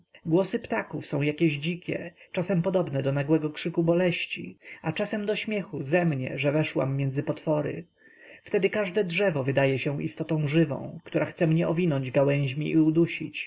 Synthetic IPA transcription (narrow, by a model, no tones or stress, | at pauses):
ɡwɔsɘpt̪akufsɔ̃w̃jakʲɛʑd͡ʑikʲɛ̰t͡ʂasɛmpɔd̪ɔbnɛd̪ɔnaɡwɛɡɔkʂɘkubɔlɛɕt͡ɕḭat͡ʂasɛmd̪ɔɕmʲjɛxuzɛmɲɛ̰ʐɛvɛʂwa̰mːjɛnd̪zɘpɔt̪fɔɾɘ̰ | ft̪ɛd̪ɘkaʐd̪ɛdʐɛvɔvɘd̪ajɛɕɛ̃ḭst̪ɔt̪ɔ̃w̃ʐɘvɔ̰̃w̃kt̪uɾʔaxt̪sɛmɲɛʔɔvʲinɔɲd͡ʑɡawɛ̃w̃ʑmʲiʔiud̪uɕit͡ɕ